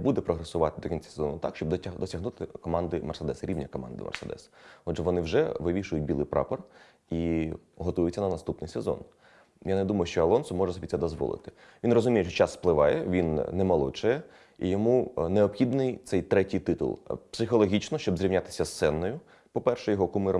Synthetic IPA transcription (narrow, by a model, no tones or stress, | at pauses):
bud̪ɛpɾɔɦɾɐsʊʋɑt̪ɪd̪ɔkʲinʲt͡sʲḁsezɔ̰nʊt̪ɑkʃt͡ʃɔb̪d̪ɔsʲɐɦnut̪ɪkɔmɑnd̪ɪmɐrsed̪ɛsɾʲiʋnʲɐkɔmɑ̰nd̪ɪ̰mɐ̰rsed̪ɛ̰sɔdʒɛʋɔnɪwʐɛ̰ʋɪʋʲiʃʊjʊt̚ʲbʲilˠɪjpɾɑ̰pɔr | i | ɦɔt̪ɔjʊtʲt͡sʲːɐnɐnɐst̪upnɪjsezɔ̰n | janed̪umɐjʊʃt͡ʃɔɐlˠɔnsʊmɔʐɛsɔbʲit̪sɛd̪ɔzʋɔ̰lˠɪ̰t̪ɪ̥ | ʋʲinrɔzʊmʲijɛʃt͡ʃɔt͡ʃɑsːplˠɪʋɑjɛ̰ʋʲinnɛmɐlˠɔ̰t͡ʃɛjɛ | ḭjɔmuneɔpxʲid̪nɪjt̪sɛjt̪ɾɛtʲijt̪ɪt̪ʊ̰lˠpsɪxɔlˠɔɦʲit͡ʃnɔʃt͡ʃɔbzɾʲiʋnʲat̪ɪ̥sʲɐst̪ɛnːɔjʊ | pɔpɛrʃɛjɔɦɔkumɪɾɔ